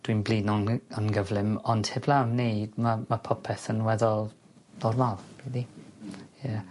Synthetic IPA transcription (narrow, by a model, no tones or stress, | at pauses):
d̥winbliːnɔnənɡəvlɪmɔnd̥hɪblˠavnejd̥mamapʰɔpʰɛθənwɛðɔlˠ | dɔrmalb̥iði | jə